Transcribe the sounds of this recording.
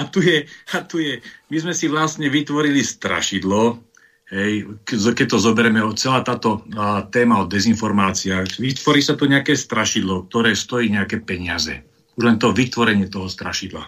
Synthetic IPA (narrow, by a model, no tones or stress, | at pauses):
at̪ujɛat̪ujɛmizmɛsiʋlast̪ɲɛʋit̪ʋɔɾilist̪ɾa̰ʃid̪lɔ | ɦɛjkzkɛc̚t̪ɔzɔbɛɾɛmɛɔt͡sɛlaːt̪aːt̪ɔt̪ɛːmaɔd̪ːɛzinfɔɾmaːt͡siaxxʋit̪ʋɔɾiːsat̪uɲɛakɛːst̪ɾaʃid̪lɔk̚t̪ɔɾɛːst̪ɔjiːɲɛakɛːpɛɲɪazɛ̰ | uʒlɛnt̪ɔʋit̪ʋɔɾɛɲɪɛt̪ɔɦɔst̪ɾa̰ʃid̪la̰